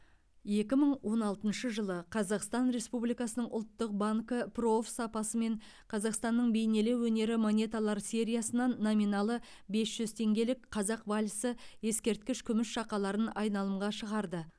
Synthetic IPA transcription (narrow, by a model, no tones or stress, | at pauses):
je̞kʲɪməɴwo̞nɑlˠt̪ənʃəʒəlˠəqʰɑzɑqst̪ɑnɾe̞spublijkɑsənəɴʔʊ̰lˠt̪ːəq̚baŋkəpro̞fsɑpɑsəme̞ɴ | qʰɑzɑqst̪ɑnːəɴbe̞jne̞lewɵne̞ɾɪmo̞nʲe̞t̪alˠɑɾsʲe̞ɾʲijɑsənɑnːo̞minɑlˠə | be̞sʒ̥ʏzt̪ʰe̞ŋɡʲe̞lɪkqʰɑzɑqvalʲsəje̞skʲe̞ɾt̪kʲɪʃkʲʰʏmɪʃʃɑqɑlˠɑɾənɑjnɑlˠəmʁɑʃəʁɑɾd̪ə